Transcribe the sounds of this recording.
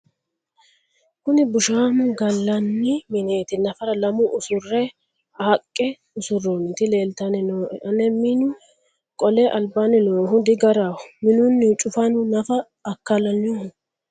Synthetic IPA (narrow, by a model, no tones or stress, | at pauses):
kʊnɪbʊʃaːmʊɡɐlːɐnːɪmɪneːt̪ɪnɐfɐɾɐlɐmʊʔʊsʊrːɛ | ɐkʼːɛ | ʊsʊronɪt̪ɪle̞ːlt̪ɐnɪnoːʔɛʔɐnɛmɪnʊ | kʼɔlɛʔɐlbanɪnoːɦʊd̪ɪɡɐɾahʊmɪnʊnːɪt͡ʃʼʊfɐnʊnɐfɐː | kːɐlɐnʊhʊ